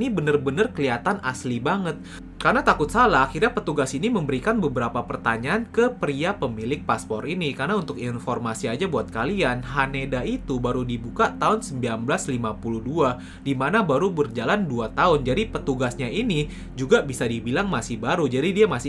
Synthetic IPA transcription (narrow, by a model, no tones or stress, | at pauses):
nibənərbənərkəliat̪anʔaslibaŋət̪̚ | karnat̪akʊt̪salaaxirɲapət̪uɡasiniməmbəɾikanbəbəɾapapərt̪aɲaːnkəpɾiapəmilɪk̚paspɔɾinikarnaunt̪ʊkinfɔrmasiad͡ʒabuat̪̚kalianɦanedait̪ubaɾudibukat̪aʊnsəmbilanbəlaslimapuluhdua | dimanabaɾubərd͡ʒalanduat̪aʊnd͡ʒadipət̪uɡasɲaini | d͡ʒuɡabisadibilaŋmasɪhbaɾud͡ʒadidiamasɪ